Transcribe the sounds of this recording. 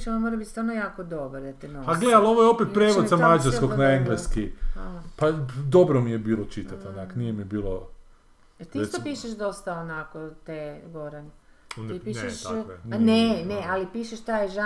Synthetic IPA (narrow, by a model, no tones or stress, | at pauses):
t͡ʃonmoɾabit̪st̪aɾnojaːkod̪o̞bɾod̪at̪inoaɡled̪alo̞ʋojeo̞pet̪pɾeːʋod̪zamad͡ʒaɾskoɡnaeŋɡleskipad̪o̞bɾomijebiːlˠot͡ʃit̪at̪onakonijemibiːlˠo | et̪ist̪apiːʃeʃd̪o̞st̪aonakot̪eɡo̞ɾani | t̪ipiʃnenealipiːʃeʃt̪ajʒa